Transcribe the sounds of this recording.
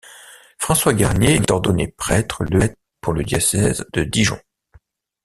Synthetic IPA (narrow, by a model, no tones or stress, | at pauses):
fχɑ̃swaɡaʁnjet̪ɔʁd̪ɔnepχɛt̪χəlɛt̪ | puʁləd̪jɔsɛzd̪əd̪iʒɑ̰̃